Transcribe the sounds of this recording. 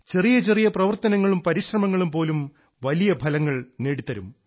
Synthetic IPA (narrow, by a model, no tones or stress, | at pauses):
t͡ɕe̞rijɐt͡ɕe̞rijɐprɐʋɐrt̪ɐnɐŋːɐɭumpɐɾiɕrɐmɐŋːɐɭumpo̞ːlum | ʋɐlijɐbʱɐlɐŋːɐɭne̞ːɽit̪ːɐɾum